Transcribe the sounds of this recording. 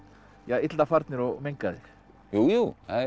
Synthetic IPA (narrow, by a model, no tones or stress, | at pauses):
jaɪt̪lt̪afaɾt̪nɪɾɔɣmejŋkaðɪx | juju